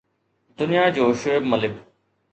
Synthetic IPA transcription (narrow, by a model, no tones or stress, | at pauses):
d̪ʊnijaːd͡ʑoːʃoebmɐlɪb